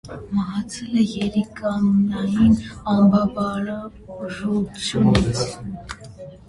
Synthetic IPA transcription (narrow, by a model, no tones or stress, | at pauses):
məɦɑt͡sʰɛlɛjɛɾikɑnnɑjinɑmbɑbɑɾɑ | ɔʒɔt͡sʰjunit͡sʰ